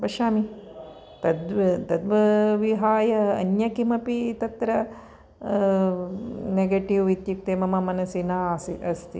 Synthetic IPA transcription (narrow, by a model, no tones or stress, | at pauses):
bɐʃaːmi | t̪ɐd̪ʋɐt̪ɐd̪ʋɐʋiɦaːjɐɐ̰njɐkimɐpit̪ɐt̪ɾɐ | neɡeːʈiʋʋit̪jipt̪eːmɐmɐmɐnɐsinaːsiʔɐst̪ḭ